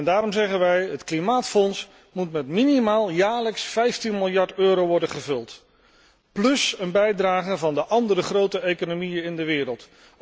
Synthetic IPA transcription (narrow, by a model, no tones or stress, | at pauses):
ndaːɾɔmzɛχənʋɛjɦətklimaːtfɔns | mutmɛtminimaːlˠjaːɹləksfɛjftinmɪlˠjɑɹtøːɾowʋɔɹdənχəvɵlˠt | plɵsənbɛjdraːχəvɑndəʔɑndərəχrowtəejkonomijənɪndəʋɪːɾəlˠt